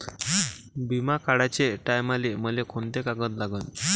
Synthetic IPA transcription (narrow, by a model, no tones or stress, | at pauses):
bimakaɽat͡ɕeʈajmaleməlekʰont̪ekaɡət̪laɡən